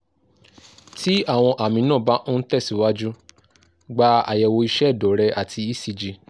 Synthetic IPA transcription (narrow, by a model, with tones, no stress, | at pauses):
ti˦a˦˨w̃ɔ̃˧ʔa˨mĩ˧nãː˦˨ba˦no˦n̩˦tɛ˦˨si˨˦wa˦d͡ʒu˦ | ɡ͡ba˧a̰˨jɛ˨wo˧i˧ʃɛ˦˨dɔ˨˦ɾɛ˧ʔa˨tʰi˧i˦si˨˧d͡ʒi˧